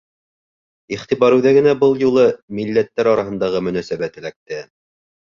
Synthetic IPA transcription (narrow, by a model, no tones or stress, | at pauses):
iχt̪iβɑɾʉðæɡɘ̆næbɤlˠjulˠɤmilːæt̪ːæɾɑɾɑɦɤ̆nd̪ɑʁɤmɵ̆næsæβæt̪ɘ̆læk̚t̪ɘ